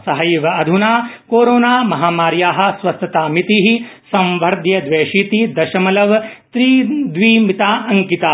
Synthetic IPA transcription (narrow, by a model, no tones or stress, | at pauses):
sɐɦɐjʋɐɐd̪ʱunaːkoːɾoːnaːmɐɦaːmaːɾjaːɦɐ̆sʋɐst̪ʰɐt̪aːmit̪iɦisɐ̃mʋʱɐɾd̪ʱjɐd̪ʋeːʃiːt̪id̪ɐʃɐmɐlɐʋt̪ɾiːd̪ʋiːmit̪aːɐŋkit̪aː